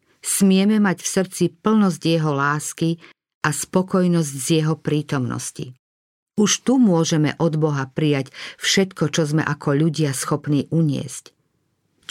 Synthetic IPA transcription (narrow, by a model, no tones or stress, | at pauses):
smɪɛmɛmacfsr̩t͡sipl̩nɔzɟjɛɦɔlaːski | ʔaspɔkɔjnɔzɟzjɛɦɔpɾiːt̪ɔmnɔ̰scḭ | uʃt̪umʊɔʒɛmɛ̰ʔɔd̪bɔɦapɾijacfʃɛt̪kɔt͡ʃɔzmɛ̰ʔakʰɔʎuɟɪasxɔpniːʔuɲɪɛ̰sc